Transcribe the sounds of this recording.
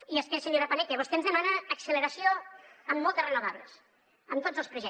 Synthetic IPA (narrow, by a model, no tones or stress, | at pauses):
iəskɛsenoðəpanɛkeβɔst̪eənzðəmanəːksələɾəsioəmːɔlˠt̪ərənuβaβlə̰s | əmt̪od͡zzəlˠspɾuʒɛ